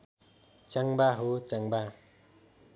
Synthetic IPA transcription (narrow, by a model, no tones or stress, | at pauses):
t͡ʃaŋbaɦot͡saŋba